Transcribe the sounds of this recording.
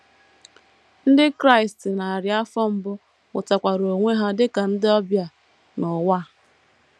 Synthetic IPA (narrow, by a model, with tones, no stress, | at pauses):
n̩˦dɪ˦kɾa˦ɪ˨stɪ˨na˨a˨ɾja˦fɔ˦m̩˦bʊ˦ | ʊ˨ta˨kʷa˨ɾo˨ŋʷe˦ɦa˦dɪ˦ka˨n̩˦dɪ˦ɔ˦bja˨ | nʊ˨wa˦